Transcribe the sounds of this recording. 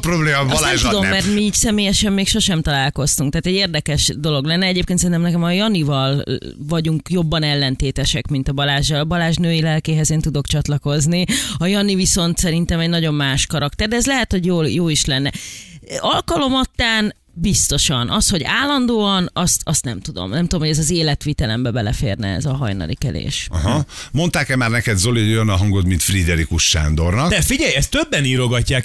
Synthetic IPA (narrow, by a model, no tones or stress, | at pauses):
pɾrobleːnɛmud̪omːɛrt̪miːcsɛmeːjɛʃɛmːeːkʃo̞ʃɛmt̪ɒlaːlko̞st̪uŋk̚t̪aːt̪ɛɟeːrd̪ɛkɛʃd̪o̞lo̞ɡlɛnːɛɛɟeːp̚keːnsɛinɛmnɛkɛmɒjɒnivɒlvɒɟuŋkjo̞bːɒnɛlːɛnt̪eːt̪ɛʃɛkmint̪ɒbɒlaːʒɒlbɒlaːʒnøːjilɛlkeːɦɛzeːnt̪ud̪o̞kt͡ʃɒt̪lɒko̞zniɒjɒniviso̞nt̪sɛɾint̪ɛmɛɟnɒɟo̞mmaːʃkɒɾɒk̚t̪ɛrd̪ɛɛzlɛɦɛt̪ho̞ɟjoːljoːiʃlɛnːɛ | ɒlkɒlo̞mɒt̪ːaːn | bist̪o̞ʃɒnʔɒsho̞ɟaːlːɒnd̪oːɒnɒst̪ɒst̪nɛmt̪ud̪o̞̰mnɛmt̪ud̪omhoɟɛzɒzeːlɛt̪ʋiːt̪ɛlɛmbɛbɛlɛfḛːrnɛ̰ɛ̰zɒɦɒjnɒ̰lḭkɛ̰lḛːʃɒ̰ɦɒmo̞nt̪aːkɛmaːrnɛkɛd̪zo̞lijønɒɦɒŋɡot̪mint̪frid̪ɛɾikuʃːa̰ːnd̪o̞rnɒkd̪fiɟɛjɛst̪ːøbːɛniːɾo̞ɡɒcːaːk